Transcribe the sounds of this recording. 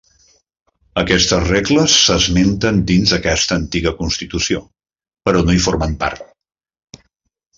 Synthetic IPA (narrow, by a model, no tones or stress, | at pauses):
əkɛst̪əzreɣləsːəzment̪ənd̪inzðəkɛst̪əːnt̪iɣəkunst̪it̪usio | pəɾɔnoifoɾməmpa̰ɾt̪̚